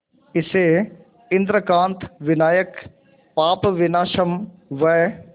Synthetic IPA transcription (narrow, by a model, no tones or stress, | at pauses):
ɪse | ɪ̃nd̪ɾəkãːnt̪ʰʋɪnaːjək | paːpʋɪnaːʃəm | ʋɛː